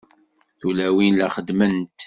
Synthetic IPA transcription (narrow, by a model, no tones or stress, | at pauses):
θulæwinlæχəd̪mənt̪